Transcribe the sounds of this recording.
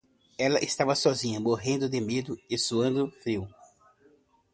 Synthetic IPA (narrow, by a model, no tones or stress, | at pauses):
ɛlɐʔɪst̪avɐsɔzĩɲɐmoɦẽnd̪ʊd̪emed̪ʊɪsuɐ̃nd̪ʊfɾiw